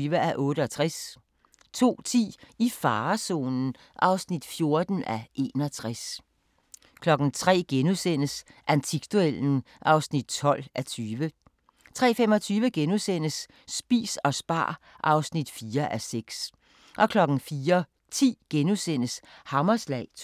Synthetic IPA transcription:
ʋəæʔɔ̽ːɾəɒ̽t͡sʰʁas | t͡sʰo̝̰ːt͡sʰḭːifɑ̈ːso̝̰ːnn̩ | ʔɑ̈ʊsnid̥fjo̝ɐd̥n̩æʔe̝ːnɒ̽t͡sʰʁas | kʰlɒ̽ɡ̥n̩t͡sʰʁɛ̰ːɡ̥enusen̰əsʔænt͡sʰiɡ̥̚d̥uel̰n̩ | ʔɑ̈ʊsnid̥̚t͡sʰɒ̽l̰ʔæt͡sʰyːʋə | t͡sʰʁɛ̰ːfem̰ɒ̽t͡sʰyːʋəɡ̥enusen̰əsː | b̥ḭːsɒ̽sb̥ɑ̰̈ːʔɑ̈ʊsnid̥fiːɐʔæseɡ̥s | ʔɒ̽kʰlɒ̽ɡ̥n̩fiːɐ | t͡sʰḭːɡ̥enusen̰əshɑ̈mɐslɛ̰ɪ

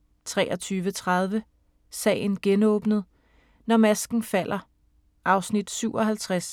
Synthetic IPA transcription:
t͡sʰʁɛːʔɒ̽t͡sʰyːʋət͡sʰʁɑ̈ð̞ˠʋə | sɛ̰ːɪn̩ɡ̥enɔ̽ːb̥nəð̞̩ˠ | nɒmæsɡ̥n̩fæl̰ʔɐ | ʔɑ̈ʊsnid̥syʊɒ̽ɦælt͡sʰʁas

